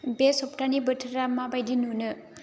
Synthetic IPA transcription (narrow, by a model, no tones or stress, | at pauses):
besɔpʈanibɯtʰɾamabajdinunɯ